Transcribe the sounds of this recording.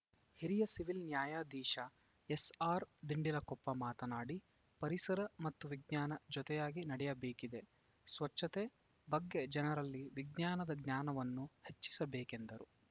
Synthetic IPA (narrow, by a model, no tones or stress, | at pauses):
hiɾijɐsiʋilnjaːjaːd̪iːʃɐ | esaːɾd̪iɳɖilɐkɔpːɐmaːt̪ɐnaːɽi | pɐɾisɐɾɐmɐt̪ːuʋiɡ̚ɲaːnɐd͡ʒɔt̪ɛjaːɡinɐɽɛjɐbeːkid̪e̞ | sʋɐt͡ʃʃːɐt̪e | bɐɡːe̞d͡ʒɛnɐɾɐlːiʋiɡɲaːnɐd̪ɐɡɲaːnɐʋɐnːuhe̞t͡ʃːi̥sɐbeːke̞nd̪ɐɾu